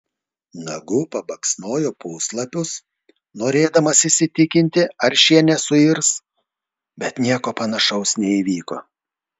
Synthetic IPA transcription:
nɐɡuːpɐbɐksnoːjopuːslˠɐpʲʊs | noːɾʲeːd̪ɐmɐsisʲɪt̪ʲɪkʲɪnʲt̪ʲɪɐɾʃʲiɛnʲɛsʊɪɾs | bʲɛt̪nʲiɛkoːpɐnɐʃɐʊsnʲɛiːʋʲiːko̰ː

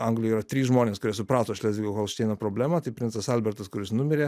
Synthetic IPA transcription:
ɐŋɡlʲʊiːɾɐt̪ʲɾʲiːsʒmoːnʲeːskʊɾʲiɛsʊpɾɑːt̪oːʃʲlʲɛːzʲʋʲiɡʲokoːlˠʃʲt̪ʲɛɪnɐpɾoːbʲlʲæːmɐt̪ɐɪpʲɾʲɪnsɐsɐlʲbʲɛɾt̪ɐskʊɾʲɪsnʊmʲɪɾʲeː

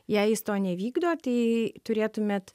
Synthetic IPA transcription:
jɛɪjɪst̪oːnʲɛʋʲiːɡd̪oːt̪ɐɪt̪ʊɾʲeːt̪ʊmʲeːt̪

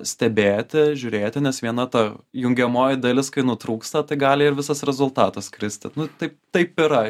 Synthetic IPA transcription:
sʲt̪ʲɛbʲeːt̪ʲɪʒʲʊɾʲeːt̪ʲɪnʲɛsʋʲiɛnɐt̪ɐjʊŋʲɡʲɛmoːjɪd̪ɐlʲɪskɐɪnʊt̪ɾuːkst̪ɐt̪ɐɪɡɑːlʲɪɪɾʋʲɪsɐsɾʲɛzʊlˠt̪ɑːt̪ɐskɾʲɪsʲt̪ʲɪnʊt̪ɐɪp̚t̪ɐɪpɪɾɐ

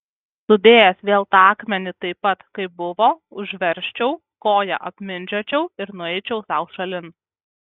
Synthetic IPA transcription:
nʊd̪ʲeːjɛsʋʲeːlˠt̪ɑɑːkmʲɛnʲɪt̪ɐɪpːɐt̪kɐɪp̚bʊʋoːʊʒʲʋʲɛɾʲʃʲt͡ʃʲɛʊ | koːjɛ̰ʔɐpʲmʲɪnʲd͡ʒʲoːt͡ʃʲɛʊɪɾnʊɛɪt͡ʃʲɛʊsɑˑʊʃɐlʲɪn

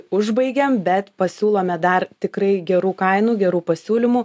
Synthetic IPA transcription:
ʊʒbɐɪɡʲɛmbʲɛt̪pɐsʲuːlˠoːmʲɛd̪ɐrt̪ʲɪkɾɐɪɡʲɛɾuːkɐɪnuːɡʲɛɾuːpɐsʲuːlʲɪmuː

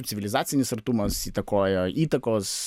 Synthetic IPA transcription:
sʲɪʋʲɪlʲɪzɑːt̪sʲɪnʲɪsɐɾt̪umɐsiːt̪ɐkoːjɛiːt̪ɐkoːs

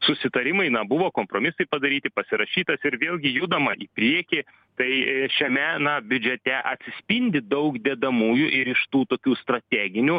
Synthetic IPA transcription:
sʊsʲɪt̪ɐɾʲɪmɐɪnɐbʊʋoːkoːmpɾoːmʲɪsɐɪpɐd̪ɐɾʲiːt̪ʲɪpɐsʲɪɾɐʃʲiːt̪ɐsɪɾʋʲeːlʲˠɡʲɪjuːd̪ɐmɐʔipʲɾʲiɛkʲi | t̪ɐɪʃʲɛmʲɛnɐbʲʊd͡ʒʲɛt̪ʲɛʔɐt̪ʲsʲɪsʲpʲɪnʲd̪ʲɪd̪ɐʊkd̪ʲɛd̪ɐmuːjʊʔɪɾɪʃt̪uːt̪oːkʲuːst̪ɾɐt̪ʲæːɡʲɪnʲu

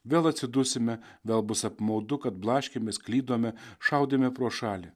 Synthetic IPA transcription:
ʋʲeːlˠɐt̪ʲsʲɪd̪ʊsʲɪmʲɛ | ʋʲeːlˠbʊsɐpmɐʊd̪ʊkɐt̪̚blˠɑːʃʲkʲemʲɛsklʲiːd̪oːmʲɛʃɐʊd̪ʲemʲɛpɾuɔʃɑːlʲɪ

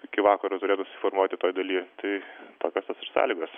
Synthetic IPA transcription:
ɪkʲɪʋɑːkɐɾoːnoːɾʲeːt̪ʊsʊsʲɪformuɔt̪ʲɪt̪oːjd̪ɐlʲiːt̪ɐɪt̪oːkʲoːst̪ɐsɪrsɑ̰ːlʲiːɡɐs

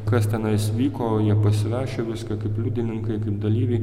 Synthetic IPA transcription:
kɐst̪ʲɛnɐɪsʲʋʲiːkoːjiɛpɐsʲɪʋɑːʃʲoːʋʲɪskɐkɐɪplʲud̪ʲɪnʲɪŋkɐɪkɐɪp̚d̪ɐlʲiːʋʲɛɪ

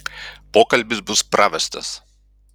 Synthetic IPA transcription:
poːkɐlʲbʲɪsbʊspɾaʋʲɛst̪ɐ̰s

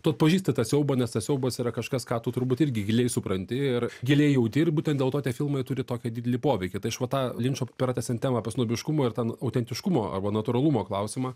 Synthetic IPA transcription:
t̪uɐt̪pɐʒʲiːsʲt̪ʲɪt̪ɐsʲɛʊbɐnʲɛst̪ɐsʲɛʊbɐsiɾɐkɐʃkɐskɑːt̪ʊt̪ʊɾbuːt̪ɪɾʲɡʲɪɡʲɪlʲeːjsʊpɾɐnʲt̪ʲɪɪrɡʲɪlʲeːjjɛʊt̪ʲirbuːtʲɛnd̪ʲeːlˠt̪oːt̪ʲiɛfʲɪlˠmɐɪt̪ʊɾʲɪt̪oːkʲɛd̪ʲidʲɛlʲɪpoːʋʲɛɪkʲɪt̪ɐɪɐʃʋɐt̪ɑːlʲɪnʲt͡ʃoʊpʲɪɾɐːt̪ʲæːsʲɛnt̪ʲæːmɐːpʲɐsnoːbʲɪʃkʊmoːɪrt̪ɛnɐʊt̪ʲɛnʲt̪ʲɪʃkʊmoːɐ̰rbɐnɐt̪ʊɾɐlˠumoːklˠɐʊsʲɪmɑː

